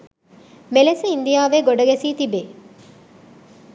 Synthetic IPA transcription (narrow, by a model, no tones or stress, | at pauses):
meleseind̪ijaːʋeːɡoɖɐɡesiːt̪ibeː